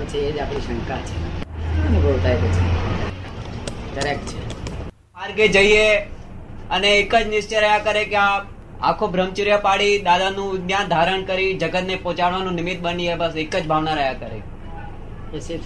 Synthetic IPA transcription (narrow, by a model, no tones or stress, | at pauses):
t͡ʃʰeːd͡ʒapɾiʃə̃ŋkat͡ʃʰḛəneboɭt̪ajt̪et͡ʃʰe | kəɾek̚ʈt͡ʃʰe | aɾɡed͡ʒəie | əneːkəd͡ʒnɪʃt͡ʃeɾəɦjakəɾekea | a̰kʰobʱɾəmt͡ʃiɾjəpaɽid̪ad̪anũnjãd̪ʱaɾəɳkəɾid͡ʒəɡət̪nepɔ̃t͡ʃaɽʋanũnɪmɪt̪̚ɓəniebəsekəd͡ʒbʱaʋnaɾəjakəɾḛ | esit